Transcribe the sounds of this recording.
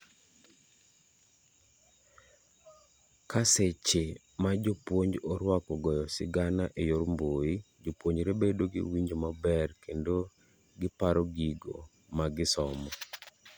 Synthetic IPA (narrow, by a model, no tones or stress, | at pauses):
kaset͡ʃe | mad͡ʒopwoɲd͡ʒɔɾwakɔɡɔjɔsɪɡanaʔejoɾmboi | d͡ʒopwoɲd͡ʒɾebedoɡɪ̰wiɲd͡ʒomabɛrkʰendo | ɡɪpaɾɔɡiɡo̰ | maɡɪsɔmɔ